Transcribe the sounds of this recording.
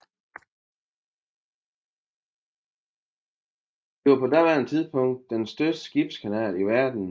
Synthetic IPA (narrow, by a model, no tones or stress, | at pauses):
d̥iʋɑpʰɒ̽d̥æʋæɐ̰nt͡sʰið̰ˠpʰɔ̽ŋ̰d̥̚ːensd̥øsd̥ə̥sɡ̥ib̥skʰænɛ̰ːliʋæɐd̥n̩